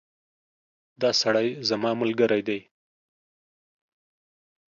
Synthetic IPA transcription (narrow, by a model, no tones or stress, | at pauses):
d̪ɑsaɽajzamɑmʊlɡaɾajd̪aj